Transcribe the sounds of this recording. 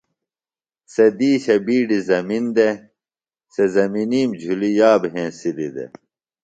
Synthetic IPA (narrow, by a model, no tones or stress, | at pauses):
sed̪iːɕɐbiːɖizɐmind̪e | sezɐminiːmd͡ʑʱulijaːbɦẽːsiɾid̪ḛ